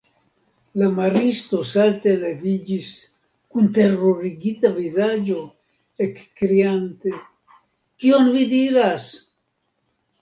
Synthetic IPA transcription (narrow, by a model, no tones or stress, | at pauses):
lamaɾist̪o̞salt̪elevid͡ʒis | kunt̪e̞roɾiɡit̪avizad͡ʒo̞ | ekːɾiant̪e̞ | kio̞nvid̪iɾas